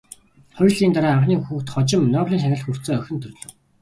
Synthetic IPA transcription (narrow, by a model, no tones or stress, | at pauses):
χɔjɮiːnt̪aɾaːaɴχniːŋxuːxt̪χɔt͡ɕɪ̆mnɔːwɮiːŋʃ̬anʲə̆ɮxur̥t͡soːœxʲɪ̆nt̪ʰɵrɮɵ̆w